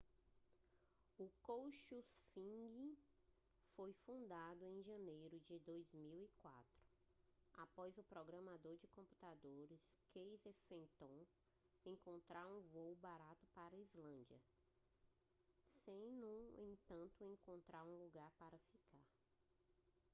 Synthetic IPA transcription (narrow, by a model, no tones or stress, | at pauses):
ʊkowʃufĩɡi | fojfũnd̪ad̪ʊẽj̃ʒɐ̃nejɾʊd͡ʒɪd̪ojzmiwikwa̰t̪ɾʊ̥ | apɔzʊpɾɔɡɾɐ̃mad̪oɾd͡ʒɪkõpu̥t̪ad̪oɾɪskʰejzefẽnt̪õ | ẽŋkõnt̪ɾaɾũvowbaɾat̪ʊpaɾɐizlɐ̃nd͡ʒɐ̰ | sẽj̃nũẽt̪ɐ̃nt̪ʊẽkõnt̪ɾaɾũluɡaɾpaɾɐfikaɾ